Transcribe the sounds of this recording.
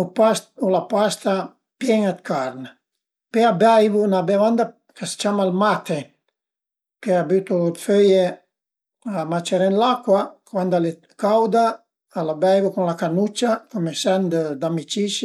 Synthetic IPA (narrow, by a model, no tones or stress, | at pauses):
upaulapast̪a | pjɛŋat̪kaɾna | peabajvunabevand̪a | kast͡ʃamalmat̪e | keabyt̪od̪føje | amat͡ʃeɾeɛnlakwakwand̪ale | kawd̪aː | labajvukunlakanut͡ʃːakomesand̪d̪amit͡ʃiʃ